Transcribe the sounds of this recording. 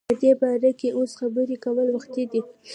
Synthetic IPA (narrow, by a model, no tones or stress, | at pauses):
əd̪ebɑɾakeʔosxabəɾikawəlwaxt̪id̪i